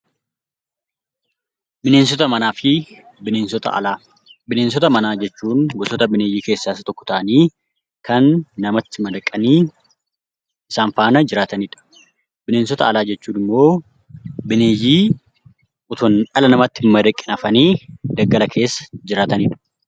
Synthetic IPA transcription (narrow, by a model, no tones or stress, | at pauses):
bɪneːns̬ɔt̪ɐmɐnaːfɪ | bɪneːnsɔt̪ɐ̰ɐ̰laː | bɪneːns̬ɔt̪ɐmɐnaːd͡ʒɛt͡ʃːuːnɡɔsɔt̪ɐbɪneːjiːke̞ːsːaːɪsɐt̪ɔkːɔ̥t̪ɐʔɐniː | kɐnːɐmɐt̪ːɪmɐd̪ɐkʼːɐniː | ʔɪsaːnfaːnɐd͡ʒɪɾaːt̪ɐniːᶑɐ̥ | bɪne̞ːnsɔt̪ɐɐlaːd͡ʒɛt͡ʃːuːnɪmːo̞ː | bɪneːjiː | ʔʊt̪ɔnᶑɐlɐnɐmɐt̪ːɪmɐd̪ɐkʼːɪnɐfɐniːd̪ɐɡːɐlɐkʰe̞ːsːɐ̥d͡ʒɪɾaːt̪ɐniːᶑɐ̥